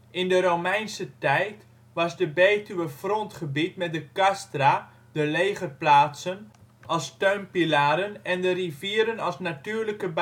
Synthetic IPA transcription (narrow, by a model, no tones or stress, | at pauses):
ɪndəɾowmɛjnsətɛjt | ʋɑzdəbejtyʋəfrɔntχəbitmɛt̚dəkastra | dəlejχərplaːtsənʔɑlˠstøɥmpilaːɾənɛndəriviəɾənɑlˠsnatyːrləkəb